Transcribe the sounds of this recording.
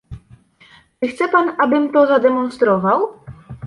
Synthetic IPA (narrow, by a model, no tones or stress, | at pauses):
t͡ʂɘxt̪sɛpanabɘmt̪ɔzad̪ɛmɔnst̪ɾɔvaw